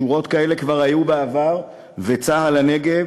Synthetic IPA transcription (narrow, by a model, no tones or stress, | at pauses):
uʁo̞tkae̞le̞kvaʁajubeavaʁ | vet͡saɦalane̞ɡe̞